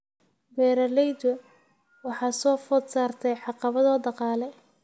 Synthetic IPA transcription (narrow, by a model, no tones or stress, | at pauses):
bɛːɾɐlɛjd̪ɐ | wɑħɑːsɔːfɔd̪saːrt̪ʰɛjħɑqɑβɐðɔd̪ɑqɑːlɛ